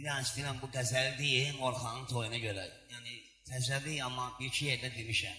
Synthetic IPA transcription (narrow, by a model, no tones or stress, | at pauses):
id̪ænst̪ilænbuɡæzæld̪ijinoɾχɑnɯnt̪ʰojunɑɟø̞ɾæjæːni | t̪ʰæzæviɑmːɑbiɾcʰijeɾd̪æd̪emiʃæm